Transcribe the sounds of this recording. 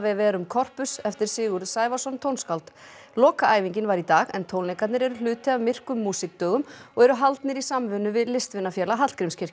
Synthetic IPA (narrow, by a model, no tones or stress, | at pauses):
vɛvɛːɾʏmkʰɔr̥pʏsɛft̪ɪɾ̥sɪːɣʏɾðsaːjvasɔnt̪ʰownskawlt̪ | lɔːkaaːjviɲcɪnvaɾit̪aːɣɛnt̪ʰownekat̪nɪɾɛɾʏlʏːt̪ɪavmɪr̥kʏmːuːsɪk̚t̪œːɣʏmɔɣɛɾʏɦalt̪nɪɾisamvʏnːʏvɪðlɪst̪vɪnːafjɛːlaɦat̪kɾɪmscʰɪr̥c